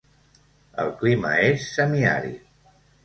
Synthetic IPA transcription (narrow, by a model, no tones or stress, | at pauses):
ə̰lˠklimə̰esːəmia̰ɾḭ